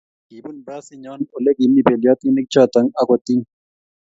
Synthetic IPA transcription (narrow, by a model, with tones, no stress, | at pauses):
i˨bu˦nba˦si˦ɲɔ˦no˨le˦ki˨ni˦˨be˨lja˦t̪i˦nɪ˦k̚t͡ʃa˦t̪a˨˦ŋa˦kɔ˨t̪i˦ŋ